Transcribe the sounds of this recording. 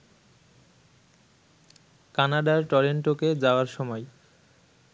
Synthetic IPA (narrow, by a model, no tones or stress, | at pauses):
kanaɖaɾʈɔɾeɳʈoked͡ʑaoaɾʃɔmɔj